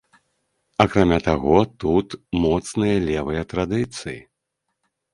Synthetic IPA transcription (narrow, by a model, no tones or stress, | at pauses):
akɾamʲat̪aɣɔt̪ut̪mɔt̪snɨjɐlʲɛvɨjɐt̪ɾad̪ɨt̪sɨjḭ